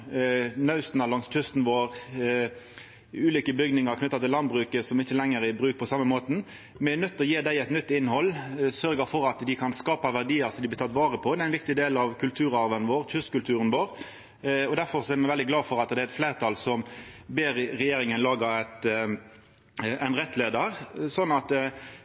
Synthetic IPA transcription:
nɑʉst̪nɑlɑŋst̪ʰʉst̪n̩ʋoːʁ | ʉːliːkəbʏɡnɪŋɑʁkʰnʏt̪ːɑt̪ʰɪlɑnd̪bʁʉːkəsɔmɪçːəlɛŋːəɾɪbɾʉːk̚pʰɔsɑmːəmoːt̪n̩ | mɛɛnœt̪ːɔjeːd̪æɪɛɪt̪nʏt̪ːɪnːhɔlːsœʁɡəfɔɾɑt̪d̪ɪkʰɑnskɑːpɑʋæʁd̪iːəsɔd̪ɪblɪt̪ʰɑt̪ːʋɑːʁəpʰɔd̪ɛæɪnʋɪk̚t̪ɪd̪eːlɑʋkʰʉlt̪ʰʉːʁɑɾʋənʋoːʁt͡ʃʏst̪kʉlt̪ʰʉːʁənʋoːʁ | ɔd̪æɾfɔʁsɔɛɾmɛɪʋɛld̪ɪɡlɑːfɔʁɑt̪d̪ɛæɛt̪fleːɾʁt̪ʰɑːlsɔmbeːɾɾɛjeːɾɪŋənlɑːɡəɛt̪ | æɪnʁɛt̪ːleːd̪əʁsɔnːɑt̪

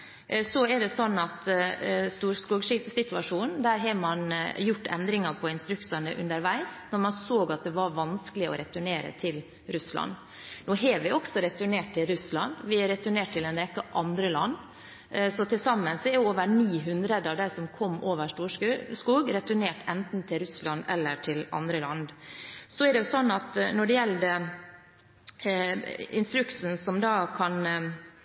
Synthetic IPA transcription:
sɔɛɖɛsɔnːɑt̪st̪uːɾskuːɡʂɪsɪt̪ʋɑʂuːnn̩d̪æːɾɦɑmɑnjʊʈ̪ːʰɛ̰nd̪ɾɪŋɑpʰɔɪnst̪ɾʉksənə̰ʔʉ̰nd̪əɾʋæɪsnɔɾmɑnsoːɡɑt̪̚d̪ɛʋɑɾʋɑnsklɪɔ̰ɾɛt̪ʉɳeːɾə̰t̪ʰɪl | ɾʉslɑ̰nː | nuːɦeːʋɪʔɔksɔɾɛt̪ʉɳeːʈ̚t̪ʰɪlɾʉslɑ̰nd̪ʋɪæɾɛt̪ʉɳeːʈ̚t̪ʰːɪlɛnɾɛkːəʔɑnd̪ɾəlɑ̰nː | sɔt̪ʰɪlsɑmːənsɛɾjʊoːʋəɾniːɦʉnd̪ɾəd̪ɑʋd̪æɪsɔmkʰɔmːoːʋəʂʈuːʂʂkuːɡɾɛt̪ʉɳeːʈʰɛnt̪n̩t̪ʰɪlɾʉslɑnɛlːəɾʈʰɪlɑ̰nd̪ɾəlɑnd̪sɔɛɖɛjʊsɔnːɑt̪nɔɖɛjɛlːd̪ə | ɪnst̪ɾʉksn̩sɔmd̪ɑːkʰɑn

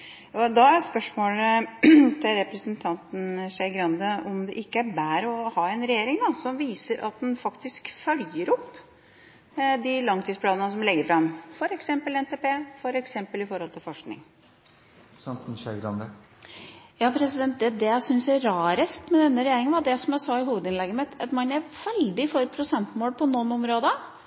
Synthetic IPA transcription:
ɔd̪ɑæspœʂmoːlət̪ʰɪlɾɛpɾəsənt̪ʰɑnt̪n̩ʂæɪɡɾɑnd̪əɔmd̪ɛʔɪkːəæɾbæːɾɔhɑːɛnɾɛjeːɾɪŋd̪ɑsɔmʋiːsəɾʔɑ̰t̪̚d̪ɛnfɑkt̪ɪskfœljəɾɔpː | d̪ɪlɑŋt̪ʰiːspʰlɑːnənəsɔmlɛɡːəɾfɾɑmfɔɾɛksɛmpəlɛnt̪ʰeːpeːfɔɾɛksɛmpəlɪfɔɾhɔlt̪ʰɪlfɔʂknɪ̰ŋ | sɑnt̪nɕøɡɾɑnd̪ə | jɑːpʰɾɛsɪd̪ɛnt̪̚d̪ɛd̪ɛæsʏnsæɾɑːɾəst̪mɛd̪ɛnːəɾɛjeːɾɪŋənʋɑd̪ɛsɔmjæɪsɑɪɦuːʋəd̪ɪnlɛɡːəmɛt̪ɛt̪mɑnːæʋɛlɖ̪ɪfɔɾpʰɾʊsɛnt̪moːlpʰɔnɔnɔmɾoːd̪ə

